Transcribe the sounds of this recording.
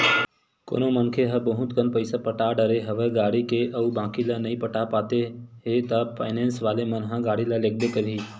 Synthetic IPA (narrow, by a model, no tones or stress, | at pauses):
ko̰ːnomənkʰeɦəbəɦʊ̃t̪kənpəɪsapəʈaːɖəɾeɦɐʋeɡaːɽikeʔɐubãːkilanɐĩpəʈapaːt̪eɦet̪əpʰa̰ːɪnẽːnsʋaːlemənɦə̃ɡaːɽilalek̚b̪ekəɾiː